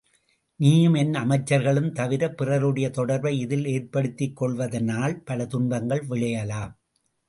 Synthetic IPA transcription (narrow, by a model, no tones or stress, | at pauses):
niːjɯmɛnɐmɐɪt͡ʃːɐɾɣɐɭɯmt̪ɐʋɪɾɐpːɪrɐɾɯɽɐjɐt̪ɔɽɐɾʋɐɪɪðɪleːɾpɐɽɯt̪ːɪkːɔɭʋɐðɐnaːlpɐlɐt̪ʊɳbɐŋɡɐɭʋɪɭɐjɐlaːm